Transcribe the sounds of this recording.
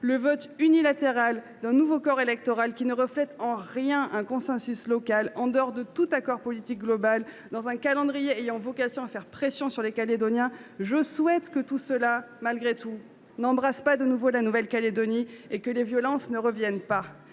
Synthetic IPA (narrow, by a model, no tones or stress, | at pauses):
ləvɔt̪ynilat̪eʁal | d̪ɛ̃nuvokɔʁelɛk̚t̪ɔʁalkʲinəʁəflɛt̪ɑ̃ʁjɛ̃ʔɛ̃kɔ̃sɛ̃syslɔkalɑ̃d̪əɔʁd̪ət̪ut̪akɔʁpɔlit̪ik̚ɡlɔbal | d̪ɑ̃zɛ̃kalɑ̃d̪ʁijeejɑ̃vɔkasjɔ̃afɛʁpχesjɔ̃syʁlekaled̪ɔnjɛ̃ʒəswɛt̪kət̪usəlamalɡʁet̪u | nɑ̃bʁaspad̪ənuvolanuvɛlkaled̪ɔniekəlevjɔlɑ̃snəʁəvjɛnpa